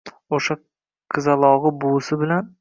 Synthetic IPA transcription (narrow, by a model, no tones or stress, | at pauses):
oʃa | qʰɨzalˠɒʁɨbʊsɪbɪlan